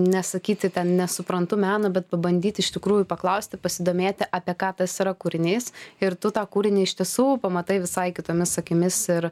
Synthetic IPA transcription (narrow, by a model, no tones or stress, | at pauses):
nʲɛsɐkʲiːt̪ʲɪt̪ʲɛnnʲɛsʊpɾɐnt̪ʊmʲæːnɐbʲɛt̪̚pɐbɐnʲd̪ʲiːt̪ʲɪɪʃʲt̪ʲɪkɾuːjʊpɐklˠɐʊsʲt̪ʲɪpɐsʲɪd̪oːmʲeːt̪ʲɪʔɑpʲiɛkɑːt̪ɐsiɾɐkuɾʲɪnʲeːsɪɾt̪ʊt̪ɑːkuːɾʲɪnʲeːɪʃʲt̪ʲiɛsuːpɐmɐt̪ɐɪʋʲɪsɐɪkʲɪt̪oːmʲɪssɐkʲɪmʲɪsɪɾ